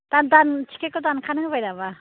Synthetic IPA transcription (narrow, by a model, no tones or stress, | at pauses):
t̪andant͡ʃʰi̥kekotankʰanɯŋbajdaba